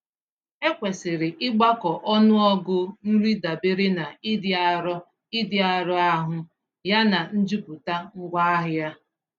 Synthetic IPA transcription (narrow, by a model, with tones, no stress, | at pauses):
e˦kʷe˨sɪ˨ɾɪ˨ʔɪ˦ɡ͡ba˦kɔ˨ʔɔ˦nʊ˦ɔ˦ɡʊ˦n̩˦ɾi˦da˨bɪ˦ɾɪ˦na˨i˦dɪ˦a˦ɾɔ˦ | ɪ˦dɪ˦a˨ɾɔ˦a˦ɦʊ˦ | ja˦na˨n̩˦d͡ʒu˦pʊ˨ta˦ŋ̩˦ɡʷa˦a˦ɦʊ˨ja˦